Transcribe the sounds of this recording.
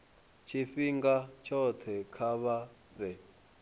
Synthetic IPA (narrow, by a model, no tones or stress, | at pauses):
t͡ʃʰifiŋɡat͡ʃʰɔt̪ʰɛkʰaβa | rɛ